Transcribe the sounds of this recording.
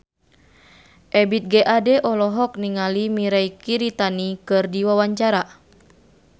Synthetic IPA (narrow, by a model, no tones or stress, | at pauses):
ʔɛbit̪̚ɡɛʔadɛʔɔlɔɦɔk̚niŋalimiɾaikiɾit̪anikɨrdiwawaɲt͡ʃaɾa